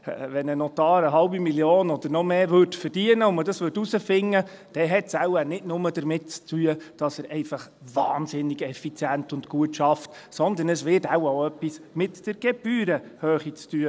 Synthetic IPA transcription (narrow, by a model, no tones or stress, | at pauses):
vɛnənɔt̪ɑːɾəɦɑlbimilioːnɔd̥̪əɾnɔmeːvøɾtfəɾd̥iənəʊmədɑsʋʏdusəfɪŋːə | d̥ɛɦɛtsæwənɪtnʊmədəɾmɪtt͡stʰyːəd̥ɑsəɾʔɛɪfɑχ | vɑ̰ːnzɪnɪɡɛfit͡sjænt̪ʊntkuətʃɑftsɔnd̪ənəsʋɪtawaʊœpːismɪtd̥əɾɡ̥ɛb̥yːɾəhøːχit͡styə